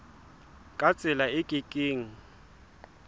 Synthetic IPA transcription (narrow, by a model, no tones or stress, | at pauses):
kʼat͡sʼɪlaɪkʼikʼeːŋ̩